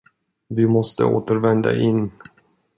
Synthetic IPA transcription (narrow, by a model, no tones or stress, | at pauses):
vɪmɔst̪ə̰o̰ːt̪əɾvɛnd̪a̰ʔɪnː